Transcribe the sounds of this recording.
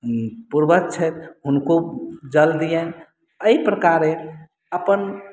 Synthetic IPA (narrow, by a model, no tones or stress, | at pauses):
puɾbək̚t͡ʃʰɛt̪ɦunkod͡ʒəld̪ijən | əipɾəkaɾe | əpən